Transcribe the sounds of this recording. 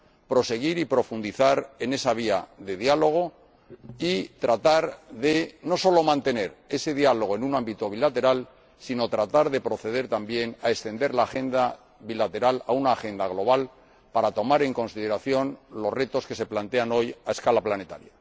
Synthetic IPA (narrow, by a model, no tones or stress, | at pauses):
pɾo̞se̞ɣ̞iɾipɾo̞fund̪iθaɾe̞ne̞saβ̞iaðe̞ðialo̞ɣ̞o̞ | it̪ɾat̪aɾðe̞no̞so̞lo̞mãnt̪e̞ne̞ɾe̞se̞ð̞ialo̞ɣ̞oenunãmbit̪o̞β̞ilat̪e̞ɾal | sino̞t̪ɾat̪aɾðe̞pɾo̞θe̞ð̞e̞ɾt̪ambje̞naest̪e̞nd̪e̞ɾlaːxe̞nd̪a | βilat̪e̞ɾalaunaːxe̞nd̪aɣ̞lo̞β̞al | paɾat̪o̞maɾe̞ŋko̞nsið̞e̞ɾaθjo̞nlo̞zre̞t̪o̞ske̞se̞plant̪e̞ano̞jaeskalaplane̞t̪a̰ɾja